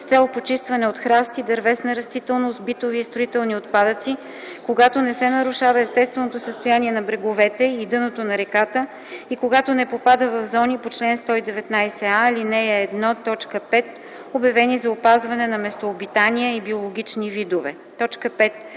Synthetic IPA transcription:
st̪sɛlˠpot͡ʃist̪vɐnɛot̪xɾast̪id̪ɐɾvɛsnɐɾɐst̪it̪ɛlˠnost̪bit̪oviːst̪ɾoit̪ɛlˠniot̪̚pad̪ət̪si | koɡat̪onɛsɛnɐɾuʃavɐɛst̪ɛst̪vɛnot̪osəst̪ojaniɛnɐbɾɛɡovɛt̪ɛid̪ɤnot̪onɐɾɛkat̪ə | ikoɡat̪onɛpopad̪əvɐvzɔnipot͡ʃlɛnst̪ɔid̪ɛvɛt̪najsɛalinɛɛːd̪nɔt̪ɔt͡ʃkəpɛt̪ | objɐvɛnizɐopazvɐnɛnɐmɛst̪oːbit̪aniəibiolˠoɡ̟ʲit͡ʃnivid̪ovɛ̰ | t̪ɔt͡ʃkəpɛt̪̚

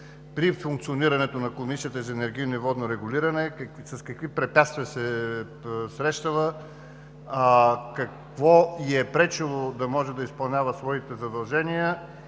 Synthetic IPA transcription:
pɾifuŋk̚t̪sioniɾɐnɛt̪onɐkomisijət̪əzɐɛnɛɾɡʲijnoivɔd̪noɾɛɡʊliɾɐnɛsɐskɐkvipɾɛpʲjat̪st̪viəsɛ | sɾɛʃt̪əlˠə | kɐk | vɔiɛpɾɛt͡ʃilˠod̪ɐmɔʒɛd̪ɐispɐlˠnʲavəsvɔit̪ɛzɐd̪ɐlˠʒɛnijə

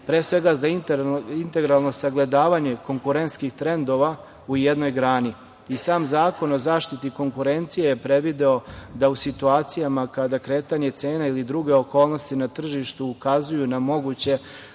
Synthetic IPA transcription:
pɾeːsʋe̞ɡazaint̪e̞ɡɾalˠno̞saɡle̞d̪aːʋaːɲe̞ko̞ŋkuɾent̪skixt̪ɾe̞nd̪o̞ʋa | ujed̪no̞jɡɾaːni | isaːmzaːko̞no̞zaːʃt̪it̪iko̞ŋkuɾe̞nt̪sijejepɾe̞ʋid̪eo̞d̪ausit̪uaːt̪sijamakad̪akɾe̞ːt̪aɲe̞t̪seːnailid̪ɾuɡe̞o̞ko̞ːlˠno̞st̪inat̪r̩ʒiʃt̪uːkazujunamo̞ɡut͡ɕe̞

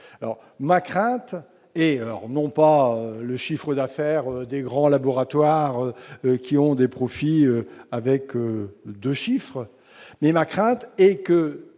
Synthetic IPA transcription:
alɔ̰ʁ | makχɛ̃t̪ | ɛalɔ̰ʁnɔ̃paøləʃifχəd̪afɛʁød̪eɡʁɑ̃labɔʁat̪waʁøkʲiɔ̃d̪epχɔfiøavɛkød̪øʃifχ | mɛmakχɛ̃t̪ɛkə

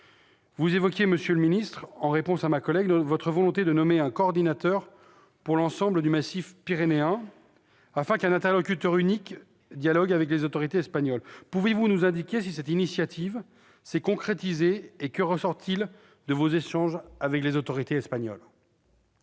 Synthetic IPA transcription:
vuzevɔkʲjeməsjøləminist̪χɑ̃ʁepɔ̃samakɔlɛɡ̪vɔt̪χəvɔlɔ̃t̪ed̪ənɔmeɛ̃kɔːʁd̪inat̪œʁ | puʁlɑ̃sɑ̃bləd̪ymasifpiʁeneɛ̃ | afɛ̃kɛ̃nɛ̃t̪ɛʁlɔkʲyt̪œʁynik | d̪jalɔɡavɛk̬lezot̪ɔʁit̪eɛspaɲɔlpuvevunuzɛ̃d̪ikʲes̬isɛt̪inisjat̪ʰiv | sɛkɔ̃kχet̪izeːkəʁəsɔʁt̪ʰil | d̪əvozeʃɑ̃ʒavɛklezot̪ɔʁit̪eɛspaɲɔ̰l

